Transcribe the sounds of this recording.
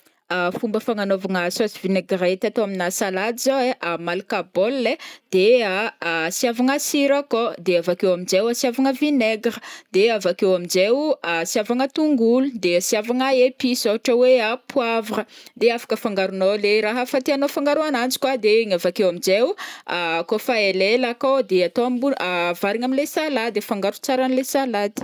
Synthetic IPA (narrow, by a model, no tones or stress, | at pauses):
afumbəfaŋanovaŋəsosivineɡret̪at̪oaminasalad̪zoeʔamalkabolːed̪̥easjavaŋasiɾakod̪eavakewamind͡ʒewasjavaŋəvineɡɾəd̪eavakewamind͡ʒewasjavaŋət̪uŋɡulud̪esiavaŋaepisoaʈ͡ʂəweapwavəd̪eafḁkəfaŋɡaɾunoleɾaɦəfat̪eanofaŋɡaɾuanand͡ʒi̥kwad̪eŋavakewamid͡ʒewakofaelelakod̪eat̪oambuavaɾiŋaminlesalad̪efaŋɡaɾu̥t͡saɾanilesalad̪i̥